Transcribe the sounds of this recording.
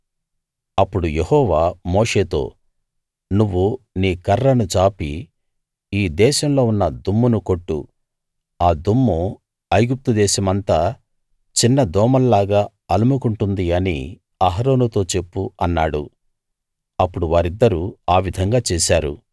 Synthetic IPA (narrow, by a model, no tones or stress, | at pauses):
ɐpːuɽujehɔːʋaːmoːʂe̞ːt̪o̞̰ː | nuʋːu | niːkɐɾːɐnut͡ʃaːpi | iːd̪ɛːʃɐmlo̞ːunːɐd̪umːunuko̞ʈːṵ | aːd̪umːu | ɐjɡup̚t̪ud̪ɛːʃɐmɐnt̪aː | t͡ʃinːɐd̪ɔːmɐllaːɡaː | ɐlumukuɳʈund̪iɐnḭ | ɐɦɾo̞ːnut̪o̞ːt͡ʃe̞pːuɐnːaːɽṵ | ɐpːuɽuʋaːɾid̪ːɐɾuaːʋid̪ʱɐŋɡaːt͡ʃɛːʃaːɾṵ